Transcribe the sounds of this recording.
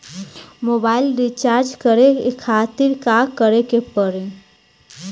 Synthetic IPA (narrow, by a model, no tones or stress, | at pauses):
moːbaːɪlɾit͡ʃaːɾd͡ʒkəɾeekʰaːt̪ɪɾkakəɾekepəɾẽ